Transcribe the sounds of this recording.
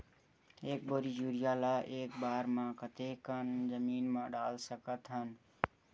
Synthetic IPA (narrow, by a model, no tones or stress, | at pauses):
ek̚bəɾid͡ʒuɾijalaʔekbaɾmãkət̪ekənd͡ʒəminmãɖalsəkət̪ɦən